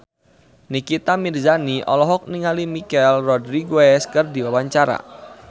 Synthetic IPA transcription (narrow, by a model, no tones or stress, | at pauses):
nikit̪amirzaniʔɔ̰lɔɦɔk̚niŋalimikɛlrɔdɾiɡoɛskɨrdiwawaɲt͡ʃaɾa̰